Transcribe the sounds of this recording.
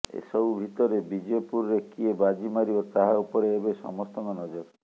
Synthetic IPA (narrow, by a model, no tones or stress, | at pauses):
ḛsɔubʱit̪ɔɾebid͡ʒopuɾːekiebad͡ʒimaɾiɔt̪aɦaupɔɾeːbesɔ̰mɔst̪ɔŋkɔnɔd͡ʒɔɾ